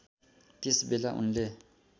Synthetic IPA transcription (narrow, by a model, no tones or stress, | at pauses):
tʼisɪbɪlaʔʊ̰n̩le